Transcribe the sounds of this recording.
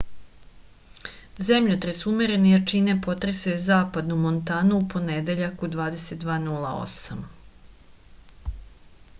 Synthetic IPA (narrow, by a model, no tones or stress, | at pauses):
ze̞mʎot̪ɾesumeɾenejat͡ʃinepo̞t̪ɾesezaːpad̪numont̪aːnuupo̞ned̪e̞ʎakud̪ʋaːd̪e̞set̪̚d̪ʋaːnulˠao̞̰sam